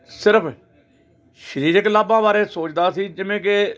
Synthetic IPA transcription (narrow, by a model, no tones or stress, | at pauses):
sɪɾəpʰ | ʃəɾiːɾəklaːbãːbaːɾeːsoːt͡ʃd̪aːsiːd͡ʒɪʋẽːk̬e